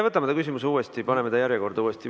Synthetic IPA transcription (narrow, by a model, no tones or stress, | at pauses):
evɤt̪ːˑɑmɑt̪ɑkys̬imusuːest̪ipɑne̞me̞d̪ɑjæɾjeko̞rɾd̪ɑuːest̪i